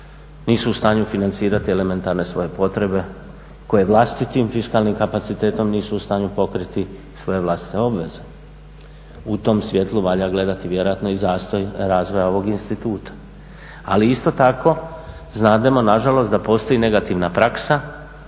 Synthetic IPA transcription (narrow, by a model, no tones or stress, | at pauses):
niːsuːst̪aːɲufinant̪siːɾat̪iele̞me̞nt̪aɾne̞sʋo̞je̞po̞t̪ɾe̞be̞ | ko̞je̞ʋlˠast̪it̪imfiskaːlˠnimkapat̪sit̪e̞ːt̪o̞mniːsuːst̪aːɲupo̞kɾit̪i | sʋo̞je̞ʋlˠast̪i̥t̪e̞o̞bʋe̞ze̞ | ut̪o̞msʋje̞t̪lˠuʋaʎaɡle̞d̪at̪iʋje̞ɾojat̪no̞izaːst̪o̞jɾaːzʋo̞jao̞ʋo̞ɡinst̪it̪uːt̪ʰḁ | a̰liist̪o̞t̪akʰo̞ | znaːd̪emo̞naʒalo̞st̪d̪apo̞ːst̪o̞ine̞ɡat̪iʋnapɾaksa